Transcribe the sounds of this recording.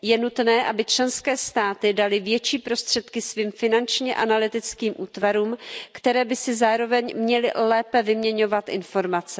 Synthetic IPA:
jɛnut̪nɛːʔabɪt͡ʃlɛnskɛːst̪aːt̪ɪdalɪvjɛt͡ʃiːpɾo̞st̪r̥ɛt̪kɪsviːmfɪnant͡ʃɲɛʔanalɪt̪ɪt͡skiːmʔuːt̪vaɾuːmkt̪ɛɾɛːbɪsɪzaːɾo̞vɛɲmɲɛlɪ̰lɛːpɛvɪmɲɛɲo̞vat̪ʔɪ̰nfo̞ɾmat͡sɛ

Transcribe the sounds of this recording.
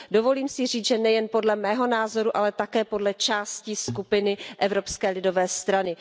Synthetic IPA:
dovo̞liːmsɪr̝iːt͡sʒɛnɛjɛnpo̞dlɛmɛːɦo̞naːzo̞ɾuʔalɛt̪akɛːpo̞dlɛt͡ʃaːsciskupɪnɪʔɛvɾo̞pskɛːlɪdo̞vɛːst̪ɾanɪ

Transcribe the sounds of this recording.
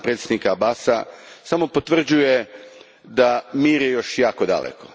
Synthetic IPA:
pɾet̪sjed̪nikaabaːsa̰samo̞po̞t̪ʋr̩d͡ʑuje | d̪amiːɾjejo̞ʃjaːko̞d̪a̰lḛko̞

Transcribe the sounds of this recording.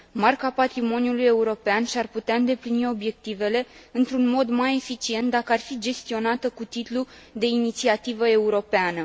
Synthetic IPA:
markapat̪ɾimo̞nijuluje̞uɾo̞peanʃiarput̪eaɨnd̪e̞plinio̞bje̞k̚t̪ive̞le̞ɨnt̪ɾunmo̞d̪maje̞fit͡ʃie̞nt̪̚d̪akəarfid͡ʒe̞st̪io̞nat̪əkut̪it̪lu | d̪e̞init̪siat̪ivəe̞uɾo̞peanə

